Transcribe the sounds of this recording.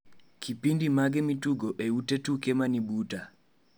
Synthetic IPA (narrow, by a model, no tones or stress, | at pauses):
kʰipindimaɡɛmituɡoʔeutetukemanibuta